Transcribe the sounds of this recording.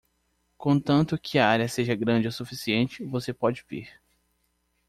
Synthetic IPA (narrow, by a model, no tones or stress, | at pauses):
kõt̪ɐ̃nt̪ʊkʰɪɐaɾʲjɐseʒɐɡɾɐ̃d͡ʒɪosufisiẽnt͡ʃɪvosepɔd͡ʒɪvḭɾ